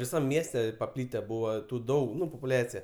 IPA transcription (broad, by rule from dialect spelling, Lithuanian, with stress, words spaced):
ʋʲɪˈsɐm ˈmʲiɛsʲtʲɛ pɐˈpʲlʲiːtʲɛ ˈbuːʋɐ ˈtuː ˈdɐʊk ˈnʊ poːpʊˈlʲæːt͡sʲɪjɛ